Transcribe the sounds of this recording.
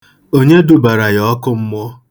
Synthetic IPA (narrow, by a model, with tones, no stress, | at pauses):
o˦ɲe˦du˨ba˨ɾa˨jɔ˦kʊ˦m̩˦mʊ˦